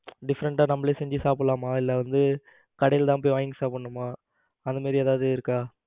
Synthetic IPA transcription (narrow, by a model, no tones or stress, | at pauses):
ɖɪfɐɾɐɳʈaːnɐmːɐɭeːsɛɲd͡ʒɯsaːpɭlaːmaːɪlːɐʋɐnd̪ɯ | kɐɽɐjɪlt̪ãːp̬oːjʋaːjɪŋɡsaːpɐɳːɯmːaː | ɐnd̪ɐmaːd̪ɾɪeːðaːʋðɯɪɾɯkːaː